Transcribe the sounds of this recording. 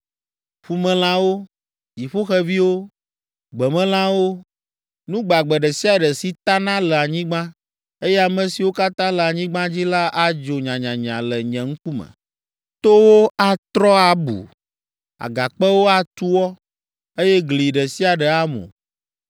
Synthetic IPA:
ɸu˦mɛ̃˦l̃ã˦wo˦ | ji˨ɸo˦xɛ˦vi˦wo˦ | ɡ͡bɛ˨mɛ̃˦l̃ã˦wo˦ | nũ˦ɡ͡ba˨ɡ͡bɛ˨ɖɛ˨si˦a˨ɖɛ˨si˨t̪a˦nã˦lɛ˨a˨ɲĩ˦ɡ͡bã˦ | e˦jɛ˦a˨mɛ̃˨si˨wo˦ka˦t̪ã˦lɛ˨a˨ɲĩ˦ɡ͡bã˦d͡ʑi˦la˦ʔa˨d͡ʒo˨ɲã˨ɲã˨ɲã˨lɛ˨ɲɛ̃˨ŋ̩˦ku˦mɛ̰̃˨ | t̪o˦wo˦a˨t̪ɾɔ˦a˨bṵ˨ | a̰˨ɡa˨k͡pɛ˦wo˦a˨t̪u˦wɔ˦ | e˦jɛ˦ɡli˨ɖɛ˨si˦a˨ɖɛ˨a˦mõ̰˨

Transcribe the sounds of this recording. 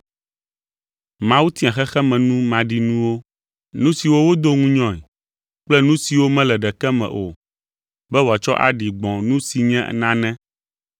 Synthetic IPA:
mã˦wu˦t̪i˦ã˨xɛ˦xɛ˦mɛ̃˨nũ˦mã˨ɖi˦nũ˦wo˦ | nũ˦si˨wo˦wo˦d̪o˦ŋũ˦ɲɔ̃˨i˨ | k͡plɛ˦nũ˦si˨wo˦mɛ̃˦lɛ˨ɖɛ˨kɛ˦mɛ̰̃˨ʔo˨ | bɛ˦wo˨a˨t͡ʃɔ̰˦ʔa̰˨ɖi˨ɡ͡bɔ̃˨nũ˦si˨ɲɛ̰̃˦˨nã˦nɛ̃˦

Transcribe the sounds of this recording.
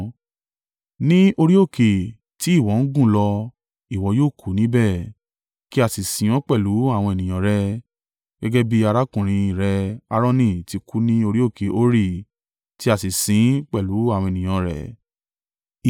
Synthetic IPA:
nĩ˦o˧ɾi˦o˦˨ke˨ | ti˨˦i˦˨wɔ˨˦n̩˦ɡũ˦˨lɔ˧ | i˨wɔ˧˦joː˦˨kʰu˨˦nĩ˦bɛ˦˨ | ki˦a˦˨si˨sĩ˨ɔ̃˨˦k͡pɛ˦˨lu˨˦a˦˨w̃ɔ̃˧e˨nĩ˨j̃ã˨ɾɛ˦ | ɡ̥ɛ˦ɡɛ˦bi˦a˧ɾa˦kũ˨ɾ̃ĩ˧ĩ˨ɾɛ˧˦a˧ɾɔ̃˦nĩ˦˨ti˧kʰu˦nĩ˦o˧ɾi˦o˦˨ke˨o˦ɾi˦˨ | ti˦a˦˨si˨sĩ˨˦k͡pɛ˦˨lu˨˦a˦˨w̃ɔ̃˧e˨nĩ˨j̃ã˨˧ɾɛ̰˨

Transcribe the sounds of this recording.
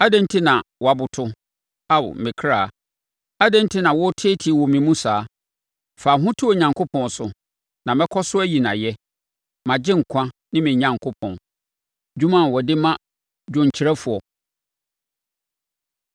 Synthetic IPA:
a˦dɛ̃˦n˦tʰi˦nã˨wɔ˨a˨bʊ˨tʰʊ˦ | a˦w̰mɪ̃˨kʰɾaː˦˨ | a˦dɛ̃˦n˦tʰɪ˦nã˨wɔ˦tʰe˦tʰi˦˨wɔ˨mĩ˨mũ˦saː˨˦ | fa˨ɦʊ̃˦tʰʊ˦o˨ɲã˨ŋkʰʊ˦pʰɔ̃˨nsʊ˨ | nã˨mɛ̃˦kʰɔ˦sʊ˦æ˦ji˨nã̰˨jɛ˦ | mã˨d͡ʑɪ̃˦ŋ̩˨kʷʰã˦nɪ̃˦mɪ̃˨ɲã˨ŋkʰʊ˦pʰɔ̰̃˨n | d͡ʑᶣũ˦mã˦n˨wɔ˨dɪ˦mã˦ | d͡ʑᶣʊ̃˨ɲ˨t͡ɕʰɪ˨ɾɛ˦fʊ˨ɔ˨

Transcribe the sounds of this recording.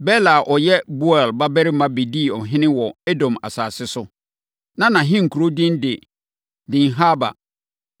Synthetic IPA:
bɛ˦la˨ʔɔ˨jɛ˦bu˦ɛ˨lba˦bɛ˦ɾɪ˦mã˦be˨diː˦˨ɔ˨ɦɪ̃˦nɪ̃˦wɔ˨ɛ˦dɔ̃˨ma̰˨saː˨sɪ˦sʊ˦ | nã˦nã˨ɦɪ̃˦ŋ̩˨kʰu˨ɾo˦dɪ̃˦ndɪ˨ | dɪ̃˨nɦa˦ba̰˨

